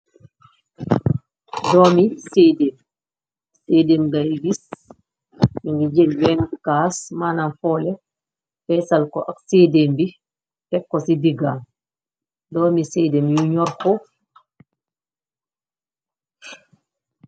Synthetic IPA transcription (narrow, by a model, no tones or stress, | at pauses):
dɔːmiseːdeːm | seːdeːmɡajbis | miŋɡiɟelwɛːnkaːsmaːnanfɔːlɛ | fɛːsalkɔʔakseːdembi | tɛkːɔsidiɡaːm | dɔːmisedemjuɲɔɾkɔ